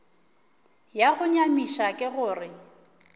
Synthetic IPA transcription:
jaɣʊɲamiʃakʼɪɣʊːrɪ

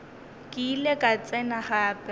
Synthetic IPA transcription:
kʼɪːlekʼat͡sʼɛnaχaːpʼɛ

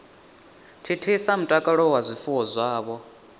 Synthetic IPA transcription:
tʰitʰisam̩tʼakʼaɺɔwazʷifuwɔzʷaːβɔ

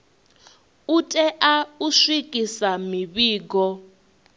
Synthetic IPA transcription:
utʼɛʔauʂwikʼisamiβiːɡɔ

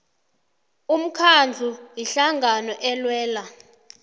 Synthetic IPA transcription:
um̩kʰand͡ɮʱujiɬaŋɡʱanɔʔɛlwɛːla

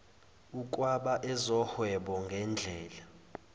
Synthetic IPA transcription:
ukʼwaɓaʔɛzɔhwɛɓɔŋɡʱɛnd͡ɮʱɛːla

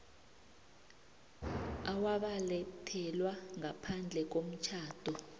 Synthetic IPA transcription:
awaɓalɛtʰɛlwaŋapʰand͡ɮʱɛk̬om̩t͡ʃʰaːd̥ʱɔ

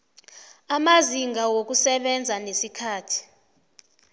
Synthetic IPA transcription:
amaziŋɡʱawok̬usɛɓɛnd͡zʱanesikʰaːtʰi̥

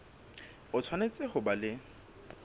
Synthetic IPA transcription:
ʊt͡sʰwanet͡sʼɪχʊbalɪ

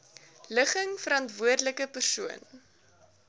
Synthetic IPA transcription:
ləχəŋfəɾɐntvuərdləkəpərsuən

